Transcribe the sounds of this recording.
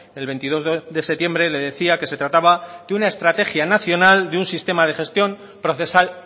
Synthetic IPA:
e̞lβe̞nt̪ið̞o̞zðe̞set̪je̞mbɾe̞le̞ðe̞θiake̞se̞t̪ɾat̪aβad̪eunae̞st̪ɾat̪e̞xjanaθjo̞nald̪eunsist̪e̞mað̞e̞xe̞st̪jo̞m | pɾo̞θe̞sal

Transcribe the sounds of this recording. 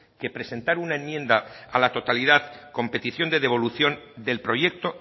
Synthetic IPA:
ke̞pɾe̞se̞nt̪aɾunaenmjẽ̞nd̪aːlat̪o̞t̪aliðaðko̞mpe̞t̪iθjo̞nd̪e̞ðe̞β̞o̞luθjo̞nd̪e̞lpɾo̞je̞k̚t̪o̞

